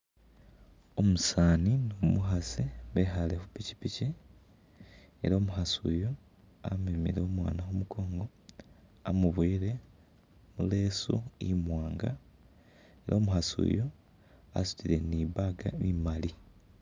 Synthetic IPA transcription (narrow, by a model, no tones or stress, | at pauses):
o̞musaːninomuɦasiβexalexupici̥pici | ḛɾoːmuhasṵjo | a̰mimḭɾeomwa̰ːnaxomuko̞ːŋɡo̞ | amuβwiːɾe̞ | mule̞ːsṵimwaːŋɡa̰ | e̞ɾʔoːmuhasṵjo | a̰su̥tiɾe̞niβaɡa̰imali